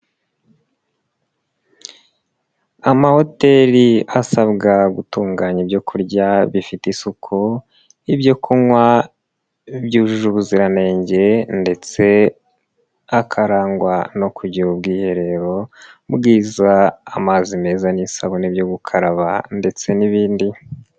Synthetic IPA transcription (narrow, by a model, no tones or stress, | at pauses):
amaho̞te̞ɾiasaβɡaɡutuːŋɡaːɲebɟo̞kʰuɾɟaβifitisukʰo | ibɟo̞kʰumwa | bɟuːʒuʒuβuziɾane̞ːɲɟe̞nde̞t͡se̞ | akʰaɾaːŋɡwano̞kʰuɟiɾub̚ɡiːhe̞ɾe̞ɾo̞bɡiːzaːmaːzime̞ːzanisaβonibjoɡukʰaɾaβande̞t͡se̞niβiːndi